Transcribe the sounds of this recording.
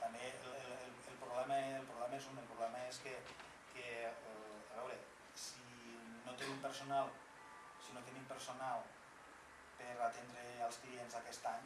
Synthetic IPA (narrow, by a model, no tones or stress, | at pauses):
t̪ambelllelpɾoβlɛməelˠpɾoβlɛmaezunelpɾuβlɛməeske | ke | aβɛwɾe | si | not̪enimpəɾsonalˠ | sinot̪enimpeɾsonalˠ | peɾat̪end̪ɾealˠsklienzakɛst̪aɲ